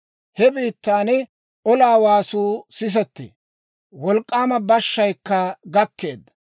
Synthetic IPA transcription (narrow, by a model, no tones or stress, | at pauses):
hɛbiːt̪ːaːnɪ | ɔlaːwaːsuːsɪs̬ɔt̪ːɪ̰ | wɔlkʼːaːmɐbɐʃːɐjkːɐɡɐkːe̞ːd̪ːɐ̥